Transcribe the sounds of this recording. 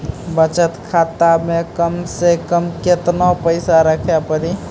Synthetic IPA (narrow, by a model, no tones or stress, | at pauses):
bət͡ʃət̪kʰat̪amekəmsekəmket̪napəɪsaɾəkʰjapəɾi